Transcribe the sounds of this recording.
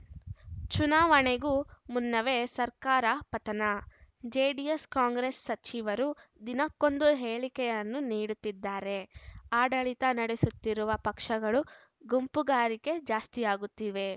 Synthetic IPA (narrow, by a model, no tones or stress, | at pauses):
t͡ʃunaːʋɐɳeɡumunːɐʋesɐɾkaːɾɐpɐt̪ɐnɐd͡ʒeːɖieskaːŋɡɾesːɐt͡ʃiʋɐɾud̪inɐkːo̞nd̪uɦeːɭikɛjɐnːuniːɽut̪ːid̪ːaːɾe̞aːɖɐɭit̪ɐnɐɽesut̪ːiɾuʋɐpɐkʂɐɡɐɭu | ɡumpuɡaːɾike̞d͡ʒaːst̪ijaːɡut̪ːiːʋe̞